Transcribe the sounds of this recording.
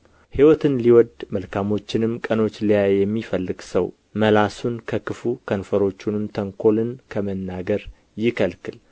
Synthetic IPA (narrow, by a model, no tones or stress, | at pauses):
hiwɔt̪ʰɨnliwɔd̪məlkʰamo̞t͡ʃːɪnɨmkʼəno̞t͡ʃːlijajjɛmːifəlːɨɡsəw | məlasunkʰəkɨfukʰənfəɾo̞t͡ʃːunɨmt̪ʰəŋkʰo̞lɨnkʰəmənːaɡəɾ | jɪkʰəlkʰɨl